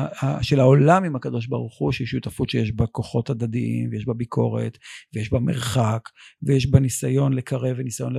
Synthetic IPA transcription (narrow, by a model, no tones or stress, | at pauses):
aʃelaolamimakado̞ʃ̬baʁuχuʃejeʃjut̪afutʃejeʃbako̞χo̞tad̪ad̪iʔḭmvejeʃbabikʰo̞ʁḛt̪vejeʃbamḛʁχakvejeʃbanisajo̞nlekaʁevenisajo̞nle